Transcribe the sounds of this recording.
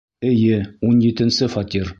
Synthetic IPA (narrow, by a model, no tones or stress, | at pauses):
ɘ̆jɘunjit̪ɘ̆nsɘfɑt̪ʲiɾ